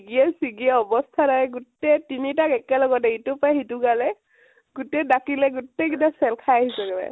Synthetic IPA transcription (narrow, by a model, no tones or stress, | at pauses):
iɡiɛsiɡiɛɔbɔst̪ʰaɾaɛɡutɛtinitakɛkɛlɔɡɔt̬ɛitupajɦituɡalɛ | ɡutɛdakilɛɡutːɛɡidasɛlkʰajaɦisɔɡɛlɛ̰